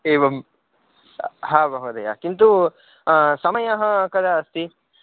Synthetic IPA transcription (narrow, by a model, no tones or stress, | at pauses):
eːʋɐm | ɦaːbɐɦud̪ɐja̰kint̪u | sɐmɐjɐɦɐkɐd̪ɐɐst̪i